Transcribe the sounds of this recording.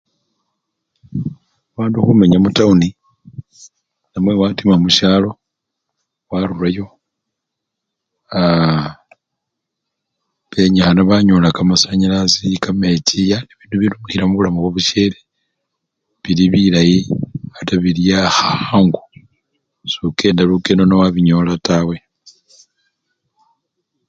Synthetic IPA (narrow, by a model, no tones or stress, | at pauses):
aβaːnduxumeɲamutauni | namwe̞watimamuʃaːlo̞ | waɾulajo̞ | a | βe̞ɲaxanaβaɲo̞lakamasaɲilasikame̞t͡ʃijaneβiːnduβilumuxiɾamuβulamoβwoβuʃe̞ːle | βiliβilajiataβilijaxaaŋɡu | suke̞ːndalukenonowaβiɲo̞latawe̞